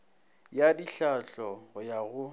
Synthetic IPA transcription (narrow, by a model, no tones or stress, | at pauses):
jadiɬaɬɔjaɣʊ